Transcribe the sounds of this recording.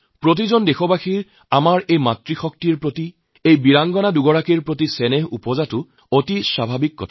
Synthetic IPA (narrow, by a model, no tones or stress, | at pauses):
pɹot̬izɔndexɔbaxiɹ | amaɹejmatɹixɔk̚tiɹpɹoti | ejbiɹaŋɡɔnaduɡɔɹakiɹpɹot̬isɛnɛɦupɔzatʊ | otisabʱabikːɔ̰tʰa